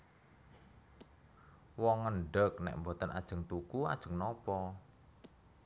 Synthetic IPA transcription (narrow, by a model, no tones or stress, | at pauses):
wɔŋːəɳɖək̚nɛ̰ʔmbot̪ənʔa̰d̥ʒ̥ə̤ŋt̪ukua̰d̥ʒ̥ə̤ŋnɔpɔ